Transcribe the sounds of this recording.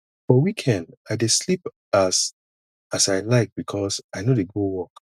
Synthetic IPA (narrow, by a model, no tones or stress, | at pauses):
fɔwikʰɛ̃ndaɪdeslip | as | asaɪlaɪk̚b̥ikʰɔsaɪnodeɡowɔk